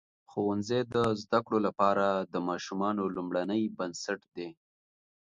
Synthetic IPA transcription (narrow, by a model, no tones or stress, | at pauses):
xowanzed̪əzd̪akɽolapɑɾad̪əmɑʃumɑnolumɽanəjbansaʈd̪e